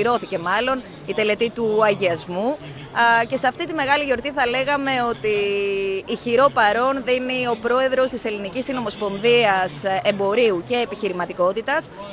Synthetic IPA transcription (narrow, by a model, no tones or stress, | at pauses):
iɾo̞θice̞mɐlo̞n | it̪e̞le̞t̪it̪uɐʝiɐzmu | ce̞seɐft̪it̪ime̞ɣɐliʝo̞ɾt̪iθɐle̞ɣɐme̞o̞t̪iː | çiɾo̞pɐɾo̞nðinio̞pɾo̞e̞ðɾo̞st̪ise̞linicisino̞mo̞spo̞nðiɐse̞mbo̞ɾiuce̞ːpiçiɾimɐt̪iko̞t̪it̪ɐs